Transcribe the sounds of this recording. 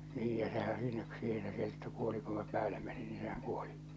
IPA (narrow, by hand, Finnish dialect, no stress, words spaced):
niːj jɑ sehæn siːnæ siːhe se ketːu kuoli ku minæ pæːle menin niː sehæŋ kuoli